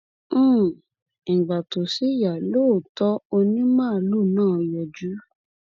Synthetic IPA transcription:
ĩ˨ɡ͡ba˨to˨si˨˦ja˨lo˦˨tɔ˦o˧nĩ˦mãː˦˨˦lu˦˨nãː˦˨˧jɔ˨d͡ʒu˨˦

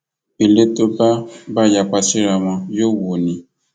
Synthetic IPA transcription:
bi˨le˦to˦ba˦ba˦ja˨k͡pa˨si˦ɾa˨mã˨jo˦wo˨nĩ˨

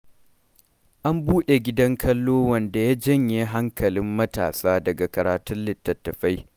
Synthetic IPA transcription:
ʔa˦mbuː˦ɗe˨ɡʲɪ˦dɐ˦ŋkʰɐ˦lːoː˦wɐ˨nda˨ja˦d͡ʒɐ˦ɲjeː˦ɦa˦ŋkʰɐ˨lɪ˦mːɐ˦ta̰ː˨saː˦dɐ˨ɡa˨kɐ˨ɾaː˨tʊ˦nlɪ˨tːɐ˨tːɐ˨ɸa˦j

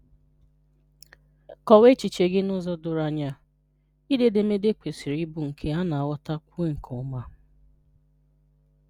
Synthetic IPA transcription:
kɔ˨we˦t͡ʃi˨t͡ʃe˨ɡɪ˦nʊ˦zɔ˦dʊ˨ɾa˨ɲa˦ | i˦de˨dɪ˨me˦de˦kʷe˨si˨ɾi˦bu˨ŋ̩˨kʰe˦a˦na˨wɔ˦ta˦kʷe˦ŋ̩˨kʰɔ˨˦ma˦

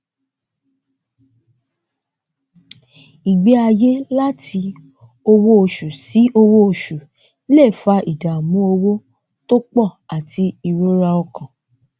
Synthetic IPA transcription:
i˨ɡ͡be˦a˧je˦la˦tʰi˧ | o˧wo˦o˧ʃu˨si˨˦o˧wo˦o˧˨ʃu˨˦ | le˦˨fa˧ʔi˨da˨mũ˨˦o˧wo˦ | to˦k͡pɔ˦˨a˨tʰi˧˦i˧wo˦ɾa˧ɔ˧kã˨

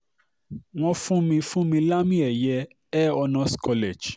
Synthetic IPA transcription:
w̃ɔ̃˧fũ˦mĩ˧fũ˦mĩ˧la˦mĩ˦ɛ˨jɛ˧ | ɛ˦ɔ˧nã˧skɔ˧lɛ˨d͡ʒ

